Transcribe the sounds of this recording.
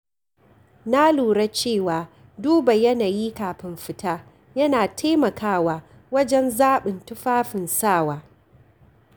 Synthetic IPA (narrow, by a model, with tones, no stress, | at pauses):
na˦luː˨ɽa˦t͡ʃeː˦˨waː˨ | duː˦ba˨jɐ˦naː˨ji˦kaː˨ɸɪ˦mɸɪ˦taː˦ | jɐ˦naː˨tʰaː˦mɐ˨kʰaː˦waː˨ | wɐ˦d͡ʒɛ˦nzaː˦ɓɪ˨ntʊ˦ɸaː˦ɸɪ˨nsaː˦˨waː˦